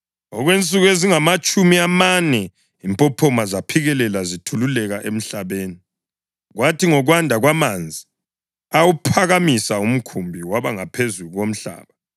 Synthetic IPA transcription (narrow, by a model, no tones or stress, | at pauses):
ɔɣwent͡sʼuɣweziŋamat͡ʃʼumiamanɛ | impʼɔpʰɔmazapʰiɣɛlɛlazitʰululɛɣaʔem̩ɬaβeːni | ɣwatʰiŋɔɣwandʱaɣwamand͡zʱi | awupʰaɣamisaum̩kʰumbʱiwaβaŋapʰezuɣuɣom̩ɬa̰ːβa